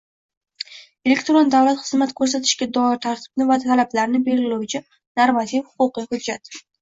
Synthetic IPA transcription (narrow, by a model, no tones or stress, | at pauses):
e̞lekʲt̪ɾond̪avlat̪χɨzmat̪kʰɵɾs̬at̪ʰɪ̥ʃɡʲad̪ɒɪɾt̪ʰaɾt̪ʰɪ̥b̥̚nɪvat̪ʰalablaɾnɪbe̞ɾʲɪluwt͡ʃʰɪ | naɾmat̪ʰifhʊ̥qʊqihʊd͡ʒːat̪